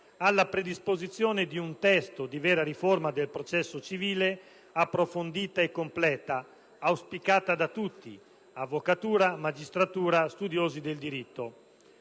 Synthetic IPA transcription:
alːapɾed̪ispozit̪sːjɔːned̪iunt̪ɛst̪od̪ivɛːɾaɾiformad̪elpɾot͡ʃɛsːot͡ʃiviːle | apːɾofond̪iːt̪aekːomplɛːt̪aː | wspikaːt̪ad̪at̪ut̪ːḭ | avːokat̪uːɾamad͡ʒist̪ɾat̪uːɾast̪ud̪joːzid̪eld̪iɾit̪ːo

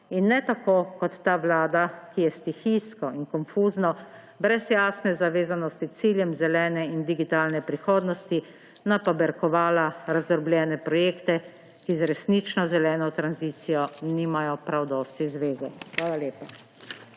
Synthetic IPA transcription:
inːɛt̪akoːkɔt̪ːaːʋlaːd̪akijɛst̪ixijskɔinkɔnfuːznɔ | bɾɛzjaːsnɛzaʋeːzanɔst̪it̪siːljɛmzɛlɛːnɛind̪iɡit̪aːlnɛpɾixoːd̪nɔst̪i | napabɛɾkɔʋaːlaɾazd̪ɔɾblʲjɛːnɛpɾɔjeːkt̪ɛ | kizɾɛsnit͡ʃnɔzɛlɛːnɔt̪ɾanzit̪sijɔniːmajɔpɾawd̪ɔːst̪izʋeːzɛxʋaːlaleːpa

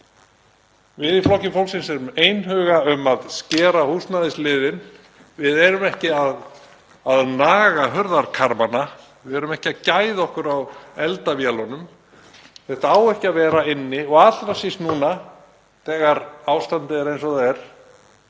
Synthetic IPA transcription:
vɪðiflɔhcɪmfowlsɪnsɛɾʏmeːjnɦœːɣaʏmaðscɛːɾahust̪naðɪslɪːðɪn | vɪðɛɾʏmɛhcɪað | aðnaːɣaɦœɾðaɾkʰaɾmana | vɪɛɾʏmɛhcɪaðcaːjðɔhkʏɾawɛlt̪avjalɔnʏm | θɛht̪aaːwɛhcɪaðvɛːɾaɪnːɪɔɣat̪lɾasisnuːna | θɛːɣaɾawst̪ant̪ɪɛɾejnsɔθaɛɾ̥

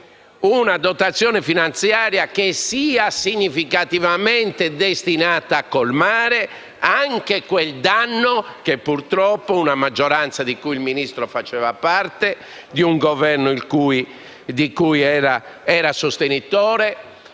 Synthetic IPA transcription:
unad̪ɔt̪at̪sːjɔːnɛfinant̪sjaːɾjakesiːasiɲːifikat̪ivamɛnt̪ed̪est̪inaːt̪aːkːolmaːɾɛ | aŋkekwɛld̪anːɔkepːuɾt̪ɾɔpːounamad͡ʒːɔɾant̪sad̪ikuilminist̪ɾɔfat͡ʃɛːvapaɾt̪ɛ | d̪iuŋɡɔvɛrnoilkuːi | d̪ikujɛːɾa | ɛːɾasost̪enit̪ɔːɾɛ

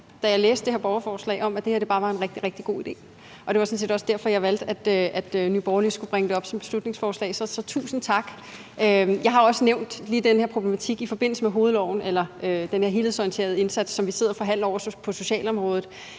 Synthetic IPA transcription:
d̥æjɑ̈ɪleːsd̥eheɐb̥ɒʊɐfɒːslɛ̰ɪɒ̽mæd̥e̝heɐd̥e̝bɑ̈ːʋɑ̈e̝nʁeɡ̥d̥iʁɛɡ̥̚d̥iɡ̥o̝̰ːid̥e̝̰ː | ʔɒ̽d̥e̝ʋɑsɒnse̝̰ːdɒ̽sd̥æɐ̰fɒjɑ̈ɪʋæl̰d̥æd̥øʔæd̥nyb̥ɒʊɐlisɡ̥ub̥ʁaŋəd̥e̝ɒ̽b̥sɒ̽mb̥e̝slud̥ne̝ŋsfɒːslɛ̰ɪsɒ̽sɒ̽t͡sʰṵːsn̩t͡sʰɑ̈ɡ̥ | øjɑ̈ɪɦɑ̈ɒ̽səneʊ̰nd̥liːd̥enheɐpʰʁo̝b̥lemæt͡sʰiɡ̥ifɒ̽b̥e̝n̰l̩səmeɦo̝ːð̩ˠlɒʊ̰n̩elɐʔød̥enhe̝ɐɦe̝lð̩ˠsɒjənt͡sʰe̝̰ːɐð̞ˠe̝nsæd̥sːɒ̽mʋise̝ð̰ˠɐfɒ̽ɦæn̰l̩ˠɒʊ̰ɐpʰɒ̽so̝ɕɛ̰ːlɒ̽mʁɔ̽ːð̞̩ˠ

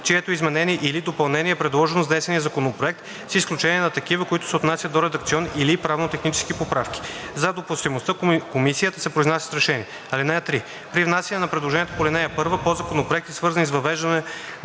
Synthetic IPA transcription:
t͡ʃiɛt̪oizmɛnɛniɛʔilid̪opɐlˠnɛniɛpɾɛd̪lˠɔʒɛnozd̪ɛsɛnijəzɐkonopɾoɛk̚t̪ | sisklʲut͡ʃɛniɛnɐt̪ɐkivəkoit̪ʊ̥sɛot̪nasʲjəd̪oɾɛd̪ɐk̚t̪siɔnilipɾavnot̪ɛxnit͡ʃɛ̥skipopɾafk̟ʲi̥zɐd̪opʊst̪imost̪əkomisijət̪əsɛpɾoiznasjə̥sɾɛʃɛniɛ | ɐlinɛət̪ɾi | pɾivnasʲjɐnɛnɐpɾɛd̪lˠoʒɛnijɛt̪opolɛnɛjɛpɤɾvəpozɐkonopɾoɛk̚t̪ɛsvɤɾzənizvɐvɛʒd̪ənɛ

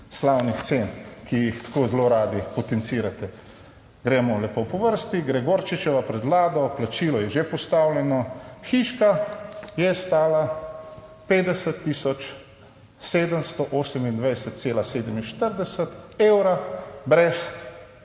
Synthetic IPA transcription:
slawnixt̪seːnkijixt̪ḁkoːzloɾaːd̪ipɔt̪ɛnt̪siːɾat̪ɛ | ɡɾɛːmɔlɛpopɔʋəɾst̪iɡɾɛɡoːɾt͡ʃit͡ʃɛʋapɾɛd̪ʋlaːd̪ɔplat͡ʃiːlɔjɛʒepɔst̪awljɛnɔxiːʃkajɛst̪aːla | peːd̪ɛsət̪ːiːsɔt͡ʃ | seːd̪əmst̪ɔʔoːsəmind̪ʋɛjsət̪̚t̪seːlaseːd̪əminʃt̪əɾd̪ɛsət̪ewɾabɾɛs

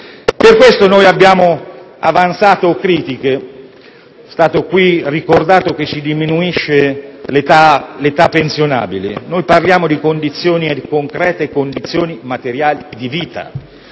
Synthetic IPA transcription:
perkwest̪onojabːjaːmo | a̰vant̪saːt̪oːkːɾiːt̪ike | st̪aːt̪okwirikord̪aːt̪oket͡ʃːid̪iminuiʃːelt̪alet̪apːensjona̰ːbilḛnojparljaːmod̪ikond̪it̪sːjoːnikoŋkɾɛːt̪ekond̪it̪sːjoːnimat̪eɾjaːlid̪iviːt̪a̰

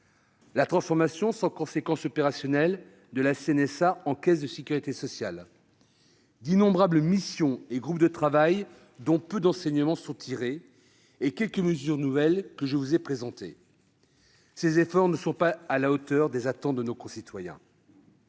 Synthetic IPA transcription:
lat̪χɑ̃sfɔʁmasjɔ̃sɑ̃kɔ̃sekɑ̃sɔpeʁasjɔnɛl | d̪əlaseɛnɛsaɑ̃kʲɛsd̪əsekʲyʁit̪esɔsjal | d̪inɔ̃bʁabləmisjɔ̃eɡʁup̚d̪ət̪χavaj | d̪ɔ̃pød̪ɑ̃sɛɲəmɑ̃sɔ̃t̪ʰiʁeː | kʲɛlkəməzyʁnuvɛlkəʒəvuzɛpχezɑ̃t̪e | sezefɔʁnəsɔ̃paːlaot̪œʁd̪ezat̪ɑ̃t̪̚d̪ənokɔ̃sit̪wajɛ̰̃

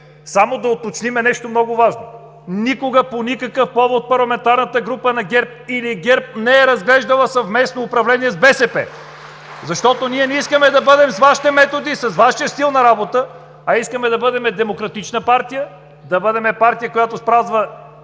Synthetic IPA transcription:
samod̪ɐot̪ot͡ʃnimɛnɛʃt̪omnɔɡʊvaʒno | nikoɡəponikəkəfpɔvot̪̚pɐɾlˠɐmɛnt̪aɾnət̪əɡɾupənɐɡʲɛɾp̚iliɡɛɾp̚nɛːɾɐzɡlɛʒd̪əlˠəsɐvmɛsnoːpɾɐvlɛniɛzbɛsɛpɛ̰ | zɐʃt̪ɔt̪oniɛnɛiskəmɛd̪ɐbɤd̪ɛmsvaʃi̥t̪ɛmɛt̪od̪isɐzvaʃijəst̪ilˠnɐɾabot̪ə | ɐiskəmɛd̪ɐbɤd̪ɛmɛd̪ɛmokɾɐt̪it͡ʃnəpaɾt̪ijə | d̪ɐbɤd̪ɛmɛpaɾt̪ijəkojat̪ospɾazvə

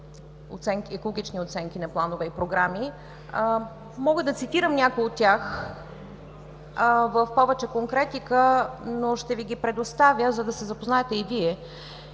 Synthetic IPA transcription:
o̰t̪sɛŋkʲiɛkolˠoɡʲit͡ʃniot̪sɛŋkʲinɐplˠanovɛipɾoɡɾami | mɔɡəd̪ɐt̪sit̪iɾəmnʲakojot̪ːʲjax | vəfpɔvɛt͡ʃɛkoŋkɾɛt̪ikənoʃt̪ɛviɡʲipɾɛd̪ost̪avʲjəzɐd̪ɐsɛzɐpoznaɛt̪ɛiviɛ

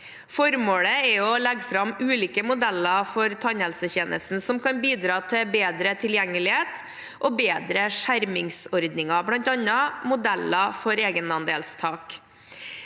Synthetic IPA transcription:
fɔɾmoːɽəɛɔlɛɡfɾɑmʉːliːkəmʊd̪ɛlɑfɔɾt̪ʰɑɲhɛlsəçeːnʔə̰st̪n̩sɔmkʰɑnbiːd̪ɾɑːt̪ʰɪbeːd̪ɾət̪ʰɪljɛŋːəlɪheːt̪ | ʔɔːbeːd̪ɾəʂæɾmɪŋsɔɾd̪nɪŋɑblɑnt̪ɑnːɑmʊd̪ɛlɑfɔɾeːɡənɑnd̪eːlst̪ʰɑːk

